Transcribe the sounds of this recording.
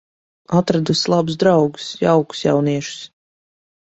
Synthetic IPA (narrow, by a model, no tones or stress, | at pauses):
at̪ɾad̪uslˠabusd̪ɾawɡu̥sjawku̥sja̰wniɛʃu̥s